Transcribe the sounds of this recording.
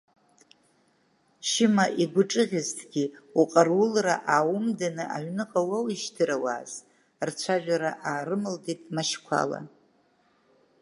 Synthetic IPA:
ʃɪmaʔiɡʷʊʈ͡ʂʼɨʁʲɪztʰɡʲiuqʼarwʊlra̰ʔaːwʊmdanɨʔaɥnɨqʼawawiʃtʰɨɾawa̰ːz̥ | rt͡ʃʷʰaʒᶣaɾaʔaːɾɨmɨlditʼmaʃkʷʰa̰la̰

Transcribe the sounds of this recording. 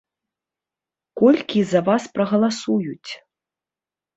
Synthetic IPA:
kɔlʲkʲizɐvaspɾɐɣɐlˠasujut͡sʲ

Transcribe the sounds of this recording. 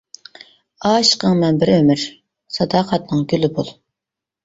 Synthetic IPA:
ɑːʃqəŋmɛnbɪɾømɪɾ | sɑd̪ɑːqʰɑt̪nɨŋɡʲylɪbolˠ

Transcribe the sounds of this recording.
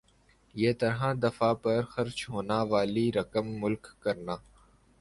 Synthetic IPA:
jeːt̪ɐɾɦãd̪ɐfapɐɾxɐɾt͡ʃɦoːnaʋaːliɾɐkəmːʊlkːɐɾnaː

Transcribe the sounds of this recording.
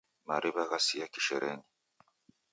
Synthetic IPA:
maɾiβaɣasijakiʃɛɾʔɛni

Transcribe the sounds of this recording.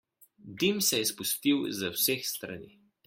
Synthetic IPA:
d̪imsɛjɛspust̪iwzawsexst̪ɾa̰niː

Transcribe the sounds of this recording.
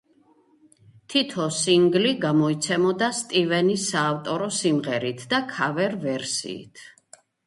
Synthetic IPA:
t̪ʰit̪ʰɔsiŋɡliɡamɔit̪sʰɛmɔd̪ast̪ʼivɛnisaːft̪ʼɔɾɔsimʁɛɾit̪ʰd̪akʰavɛɾvɛɾsḭːt̪ʰ

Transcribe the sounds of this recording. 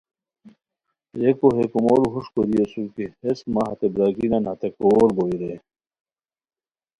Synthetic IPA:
jekoɦekumoɾuɦuʂkoɾijesuɾkeesmaɦɐt̪ebɾaːkinɐnhɐt̪ekoːɾboiɾe

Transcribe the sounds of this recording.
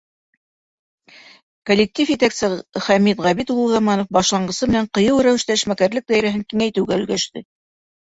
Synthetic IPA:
kolʲːɪk̚t̪ʲifjet̪æksɘχæmit̪ʁæβit̪ulˠʁɑmɑnŏfbɑʃlˠɑɴɢɤ̆sɤmɘ̆næɴqɤ̆jɤwɾæwɘ̆ʃt̪æɘ̆ʃmækæɾlɘk̚d̪æjɾæɦɘŋkiŋæjt̪ɘ̆wɡæɵ̆lɡæʃt̪ɘ

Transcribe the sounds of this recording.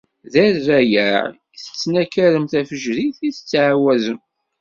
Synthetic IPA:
ðæɾːæjæɾ | θə̥t͡sːnækəɾəmθæfəʒɾiθiθə̥t͡sːʕawæzən

